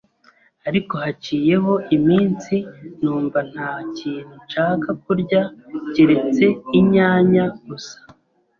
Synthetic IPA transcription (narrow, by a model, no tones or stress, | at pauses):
aɾiko̞haciːje̞ɦo̞ʔimiːnsinuːmvan̥haːciːn̥hut͡ʃaːkak̚uɾɟaciɾe̞t͡se̞iɲaːɲaɡusḁ